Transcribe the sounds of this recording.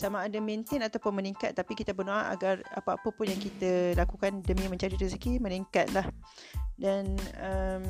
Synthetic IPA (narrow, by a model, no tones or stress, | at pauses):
samãːdamẽnt̪ɪnat̪awpʊnməniŋka̰t̪ːapikit̪abərnoaʔa̰ɡara̰paapəpʊnjaŋkit̪alakukandəmĩmə̃ɲt͡ʃaɾit̪usiɡiməniŋkat̪̚lah | danəm